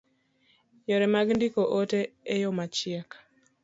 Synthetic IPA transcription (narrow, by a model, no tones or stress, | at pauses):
jɔɾɛmaɡndikoʔoteejomat͡ʃɪak